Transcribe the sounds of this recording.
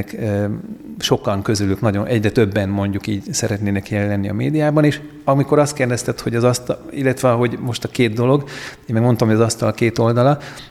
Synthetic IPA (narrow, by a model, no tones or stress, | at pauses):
k | ʃo̞kɒŋkøzylyknɒɟo̞nʔɛɟrɛt̪ø̞bːɛnmo̞ɲɟukiːɟsɛɾɛt̪neːnɛkjɛlːɛnːiɒmeːd̪ijaːbɒneːʃ | ɒmiko̞ɾɒst̪̚kerd̪ɛst̪ɛt̪ho̞ɟɒzɒst̪ilːɛt̪ʋɛɒɦo̞ɟmo̞ʃt̪ɒkeːd̪̚d̪o̞lo̞ɡeːmɛɡmo̞nt̪ɒmhoɒzɒst̪ɒlkeːt̪o̞ld̪ɒlɒ